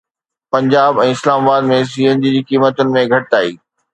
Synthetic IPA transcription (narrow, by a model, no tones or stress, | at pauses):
pɐ̃ɲd͡ʑaːbɛ̃ːɪslaːmaːbaːd̪mẽs̬iɦə̃nd͡ʑid͡ʑiːkiːmət̪ʊnɪ̆mẽɡʱɐʈɪt̪aːḭː